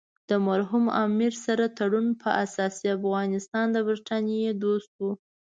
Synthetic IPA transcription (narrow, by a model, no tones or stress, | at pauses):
d̪̥əmaɾɦumɑ̰miɾsaɾat̪aɽunpʰəʔasɑsiafɣɑnɪst̪ɑnd̪əbɾɪʈʰanjed̪ost̪̚wu